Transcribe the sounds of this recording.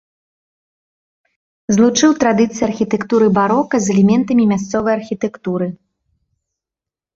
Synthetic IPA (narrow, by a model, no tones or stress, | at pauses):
zlˠut͡ʂɨwt̪ɾad̪ɨt̪sɨjarxʲit̪ɛkt̪uɾɨbaɾɔkɐzɛlʲɛmʲɛnt̪ɐmʲimʲas̬t̪sɔvɐjɐrxʲit̪ɛkt̪uɾɨ